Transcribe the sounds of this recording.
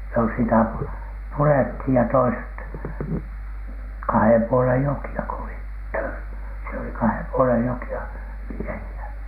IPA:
no sitæ purethij jɑ toiset kɑhem puolen jokiɑ ko olit tør siel oli kɑhem puolej jokiɑ miehiæ

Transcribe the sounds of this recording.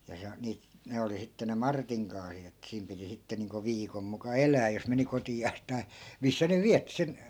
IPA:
jɑ se o niːt ne oli sitːe ne mɑrtiŋ kɑːsit̆ etːæ̆ siːm piti sitːe niːŋko ʋiːkom mukɑ elæː jos meni kotiɑːs tɑi̯ misːæ ne ʋiætːi sen

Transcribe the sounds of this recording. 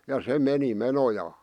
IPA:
jɑ se meni menojɑː

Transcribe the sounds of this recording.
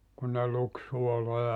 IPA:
kun ne luk suolojɑ

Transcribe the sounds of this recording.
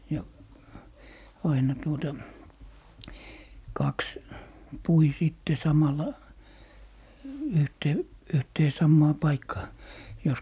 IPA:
jɑ ɑinɑ tuotɑ kɑks pui siˑtːe sɑmɑlːɑ yhteː yhteː sɑmːɑː pɑikːɑː jos

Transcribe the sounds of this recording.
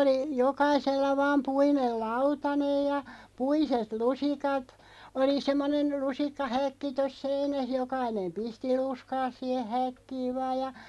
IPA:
oli jokɑiselːɑ ʋɑːm puinel lɑutɑnej jɑ puiset lusikɑt oli semːonen lusikːɑhækːi tos seinæh jokɑinem pisti luskɑːs siːhe hækːiː ʋɑːj jɑ

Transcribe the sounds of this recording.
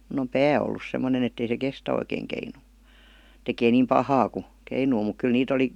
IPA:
mun om pæː olːus semːonen etːei se kestæ oikeːŋ keinuː tekeː niːm pɑhɑː ku keinuː muk kyl niːt oli

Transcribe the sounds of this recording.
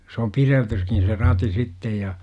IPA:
s om pireltyskin̞ se rɑti sitːej jɑ

